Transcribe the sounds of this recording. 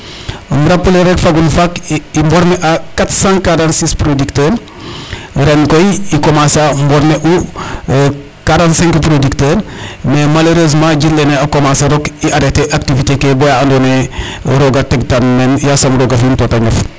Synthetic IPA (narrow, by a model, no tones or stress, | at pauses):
mɾapːuleɾekfaɡunfakimbɔɾmeʔakatsãŋkaɾãntsispɾodiktəːɾ | ɾɛnkojikomasambɔɾmeʔu | kaɾãntsɛ̃ŋkpɾodiktəɾmemaloɾeːzmãːɟilːeneakomasɐɾokiʔadeteʔak̚tivitekebɔjaandoneɾoɡatektanmɛnjasɐmɾoɡafintotaɲɐf